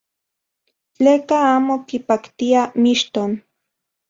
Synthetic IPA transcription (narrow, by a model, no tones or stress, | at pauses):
t͡ɬeːkaaːmokipakt̪iamiʃt̪on